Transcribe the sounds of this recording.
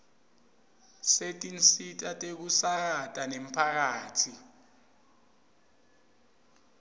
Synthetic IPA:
setʼinsitʼatʼek̬usak̬atʼanem̩pʰak̬aːtʰi

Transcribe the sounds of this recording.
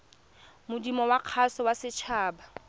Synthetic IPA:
mʊdimɔwaq͡χʰasɔwasɪt͡ʃʰaːba

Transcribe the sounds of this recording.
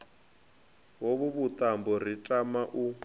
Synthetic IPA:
woβuβut̪ʼambɔr̤itʼamaʔu

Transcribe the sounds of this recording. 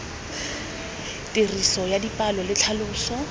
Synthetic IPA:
tʼerisɔjadipʼalɔlɪt͡ɬʰalʊːsɔ

